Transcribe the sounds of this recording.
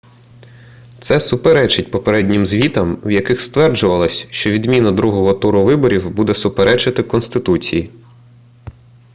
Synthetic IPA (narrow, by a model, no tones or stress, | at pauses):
t̪sɛsʊpeɾɛt͡ʃɪt̚ʲpɔpeɾɛdʲnʲɪmzʲʋʲit̪ɐmwjɐkɪxst̪ʋɛrd͡ʒʊʋɐlˠɐsʲʃt͡ʃɔʋʲid̪mʲinɐd̪ɾuɦɔɦɔt̪uɾʊʋɪbɔɾʲiwbud̪ɛsʊpeɾɛt͡ʃɐt̪ɪkɔnst̪ɪt̪ut͡sʲḭji